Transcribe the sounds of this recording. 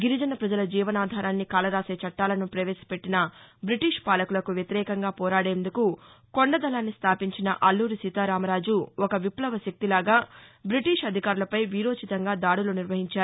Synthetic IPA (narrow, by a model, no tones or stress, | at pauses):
ɡiɾid͡ʒɐnɐpɾɐd͡ʒɐlɐd͡ʒiːʋɐnaːd̪ʱaːɾaːnːikaːlɐɾaːseːt͡ʃɐʈːaːlɐnupɾɐʋeːsi̥pe̞ʈːinɐbɾiʈiːʂpaːlɐkulɐkuʋjɐt̪iɾɛːkɐŋɡaːpɔːɾaːɽe̞ːnd̪uku | koɳɖɐd̪ɐlaːnːist̪ʰaːpiɲt͡ʃinɐʔɐlːuːɾisit̪aːɾaːmɐɾaːd͡ʒuɔkɐʋiplɐʋɐʃɐk̚t̪ilaːɡaːbɾiʈiːʂɐd̪ʱikaːɾulɐpɐjʋiːɾo̞ːt͡ʃit̪ɐŋɡaːd̪aːɽuloːniɾʋɐɦiɲt͡ʃaːɾu